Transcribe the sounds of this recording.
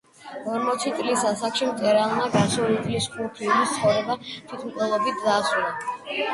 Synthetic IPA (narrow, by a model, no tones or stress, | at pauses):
ɔɾmɔt̪sʰit̪sʼlisasakʃimt̪ʼɛɾalˠmaɡaɾsɛulɛpʰliskʼupʰiunist̪sʰχɔvɾɛbat̪ʰwit̪ʰmt̪ʼɛlˠɔbit̪̚ʰd̪aːsulˠa